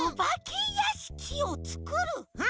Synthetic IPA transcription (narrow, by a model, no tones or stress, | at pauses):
obakʲijaɕi̥kʲʰiot͡sɨ̥kɯɾɯ